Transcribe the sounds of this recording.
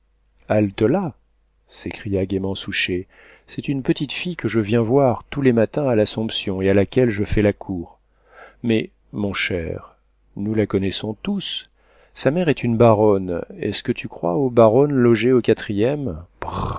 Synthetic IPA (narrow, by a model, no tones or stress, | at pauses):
alt̪əla | sekχijaɡʲemɑ̃suʃe | sɛt̪ynpət̪it̪fijkəʒəvjɛ̃vwaʁt̪ulemat̪ɛ̃alasɔ̃psjɔ̃ealakʲɛlʒəfɛlakʰuʁ | mɛ | mɔ̃ʃɛ̰ʁ | nulakɔnɛsɔ̃t̪us | samɛʁɛt̪ynbaʁɔnɛ̰skət̪ʰykχwa̰obaʁɔnlɔʒeokat̪χijɛmb̥